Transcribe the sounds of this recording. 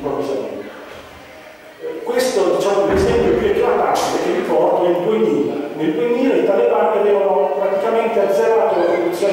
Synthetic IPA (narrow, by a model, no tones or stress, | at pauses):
pɾovizamḛnt̪e | kwest̪od̪it͡ʃaːmolezɛmpjokeɛkːuafat͡ʃileʔilpɔrt̪onelbujniːla̰nelbujniːlait̪alepaɾt̪eaveːvanopɾat̪ikament̪eazeɾaːt̪olerɾed̪ut̪sːjoː